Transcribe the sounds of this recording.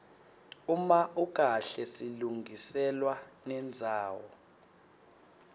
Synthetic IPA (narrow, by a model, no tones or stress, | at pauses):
umaʔuk̬ʼaɬɛsiluŋɡʱisɛlwanɛnd͡zʱaːwɔ̰